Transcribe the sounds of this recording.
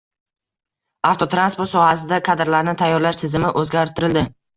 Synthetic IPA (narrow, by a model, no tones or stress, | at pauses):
aft̪ʰot̪ɾanspoɾt̪sɒhasɪd̪akʰad̪ɾlaɾnɪt̪ʰajːɒɾlaʃt̪ʰɪzɪmɪʔɵzɡʲaɾt̪ʰɪɾɪld̪ɪ